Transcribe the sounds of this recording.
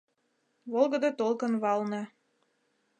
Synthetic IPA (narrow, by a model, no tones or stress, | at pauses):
βolˠɣə̆d̪ot̪olˠkə̆nβɑlnɤ̆